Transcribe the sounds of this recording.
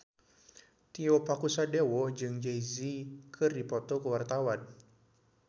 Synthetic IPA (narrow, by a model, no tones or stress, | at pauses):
t̪iopakusadewɔd͡ʒɨŋd͡ʒejzikʰɨrdipɔt̪ɔkəwart̪awan